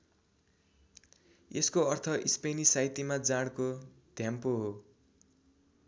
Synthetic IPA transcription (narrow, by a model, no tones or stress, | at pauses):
eskoʌrt̪ʰʌʔispenisajt̪imad͡zaɽ̃ko | d̪̥ʱjampoɦo